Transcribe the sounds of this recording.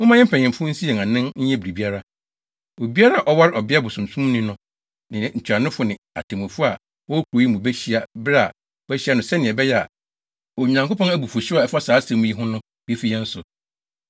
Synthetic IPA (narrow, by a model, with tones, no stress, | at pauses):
ʊ̃˦mã˦ɲɪ̃˦m̩˦pʰɛ˨ɲ˨ɪ̃˨mfʊ˦n̩˦si˦ɛ˨ã˨nɪ̃˦nɲ̩˦ɛ̃˦bi˨ɾi˨bi˦a˦ɾa˦ | o˨bi˦a˦ɾa˦˨ʔɔ˦wa˦ɾɔ˨bɪ˦a˦bʊ˨sũ˨sũ˦m˦nĩ˦nʊ̃˦ | nɪ̃˨ɲ̩˨t͡ɕʰᶣa˨nɪ̃˦fʊ˦nɪ̃˨a̰˨tʰẽ˨mʊ̃˨fʊ˦a˨ | wɔ˦kʰʷu˨ɾo˨ji˦mũ˨bɛ˦ɕi˦a˨bɾa˨ | wæ˦ɕi˦a˦nʊ̃˨sɛ˦nɪ̃˨ɛ˨bɛ˦jɛ˦a̰˨ | ɔ˨ɲ˨ã˨ŋko˦pɔ̃˦næ˦bu˨fʊ˨ɕa˨ɛ˨fa˦saː˨˦sɛ̃˨mũ˦ji˦ɦʊ̃˦nʊ̃˦ | be˦fi˦jɛ˦n̩˦sʊ˨